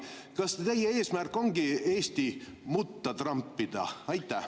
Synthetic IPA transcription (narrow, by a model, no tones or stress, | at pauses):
kɑst̪e̞jːee̞ːsmærko̞ŋɡie̞ːst̪imut̪ːɑt̪rɑmpːid̪̥ɑ̰ɑjt̪ːˑæ